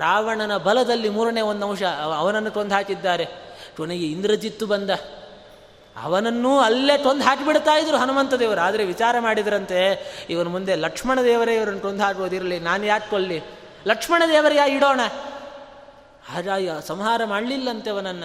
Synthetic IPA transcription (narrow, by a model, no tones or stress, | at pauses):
ɾaːʋɐɳɐnɐbɐlɐd̪ɐlːimuːɾɐneːond̪ɐmʂɐɐʋɐnɐnːuʈond̪ʱɦaːkid̪ːaːɾe̞koneɡeind̪ɾɐd͡ʒit̪ːubɐnd̪ɐ | ɐ̰ʋɐnɐnːuɐlːeːʈond̪ʱɦaːkibiɽt̪aːjid̪ɐɾuɦɐnumɐnt̪ɐd̪eːʋɐɾɐaːd̪ɐɾeʋit͡ʃaːɾɐmaːɽid̪ɐɾɐnt̪e̞iʋɐnɐmund̪e̞lɐkʂmɐɳɐd̪ɛːʋɐɾeiʋɐɾɐnːuʈond̪ʱɦaːkoːd̪iɾɐɭinaːnujaːt͡ʃkoɭli | lɐkʂmɐɳɐd̪ɛːʋɐɾejaːiɽoːɳɐ | aːɾaːjisɐmɦaːɾɐmaːɽlilːɐnt̪eɐʋɐnɐnːɐ